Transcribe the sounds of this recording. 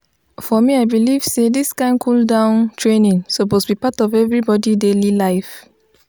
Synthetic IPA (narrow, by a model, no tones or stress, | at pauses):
fɔmiaɪbiliv̥sedisɡ̥ãɪ̃nkʰuldãʊ̃ntʰɹenĩnŋsomɔsbipatɔvɛvɹibɔdidelilaɪf